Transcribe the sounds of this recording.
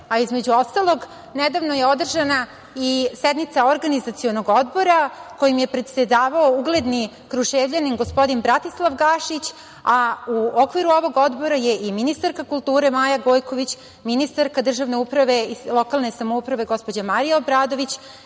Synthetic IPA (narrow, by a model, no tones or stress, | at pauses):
aizme̞d͡ʑuo̞st̪alˠo̞ɡ | nɛd̪aʋno̞je̞od̪r̩ʒana | isɛd̪nit̪saoɾɡanizat̪sionoɡo̞d̪bo̞ɾako̞jimje̞pɾe̞t̪se̞d̪aːʋaouɡle̞d̪ni | kɾuʃeːvʎanimɡo̞spo̞d̪inbɾat̪islˠaʋɡaʃit͡ɕ | auokʋiɾuo̞ʋo̞ɡo̞d̪bo̞ɾaje̞ʔiminist̪aɾkakulˠt̪uːɾe̞maːjaɡo̞ːjko̞ʋit͡ɕ | minist̪aɾkad̪r̩ʒaʋne̞upɾaʋe̞ilˠo̞kalˠne̞samoupɾaʋe̞ɡo̞spo̞d͡ʑamaɾijaobɾaːd̪o̞ʋit͡ɕ